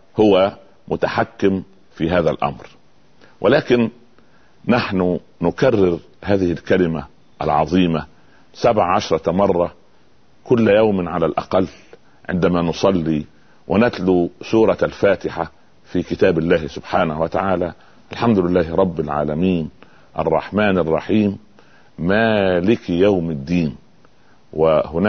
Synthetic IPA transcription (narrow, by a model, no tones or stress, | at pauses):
hʊwa | mʊt̪aħakːɪm | fiːɦaːðalʔɑ̰mɾ | wʔɪlaːkɪnː | aħnʊ | nʊkarːɪɾ | haːðɪhɪlkalɪma | ʔa̰lʕɑ̰ðˤiːma | sabʕaʕaʃɾˤɑmɑrˤːɑ | kʊlːjawmɪnʕalalʔɑ̰qɑlː | ʕɪ̰nd̪amaːnʊsˤɑlːiː | wʔɪnat̪lusuːɾˤɑalfaːt̪ɪħa | fiːkɪt̪aːbɪlːaːhsʊbħaːnahwat̪aʕaːlaː | ʔalħamd̪ʊlɪlːaːhɪɾˤɑbːɪlʕa̰ːlæmiːn | ʔɑ̰rˤːɑ̰ħmaːnɑrˤːɑ̰ħiːmː | aːlɪkjawmɪd̪ːiːn | wɪhʊn